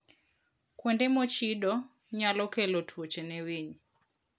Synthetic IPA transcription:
kwɛndɛmɔt͡ʃidɔ | ɲalɔkɛlɔtʰwot͡ʃenɛwiɲ

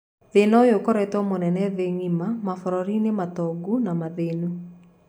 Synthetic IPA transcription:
ðenɔjokɔɾɛtɔmonɛnɛðeŋimamafɔɾɔɾinematɔɡunamaðenu

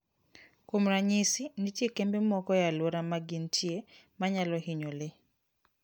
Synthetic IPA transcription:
komɾaɲɪsinɪtjekembemɔkɔjalwoɾamaɡintʰje | maɲalɔhiɲole

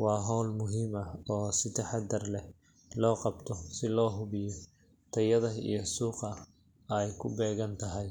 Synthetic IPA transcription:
wɑːɦɔːlmʊɦiːmɐɔːsɪt̪ʰɐħɑd̪ɐrlɛ | lɔːqɑbt̪ʰɔsɪlɔːɦʊβɪjɔ | t̪ʰɐjɐðɐḭjɞsuːqɐ | ɛjkʰʊbɛːɣɐnt̪ʰɐɦɛj

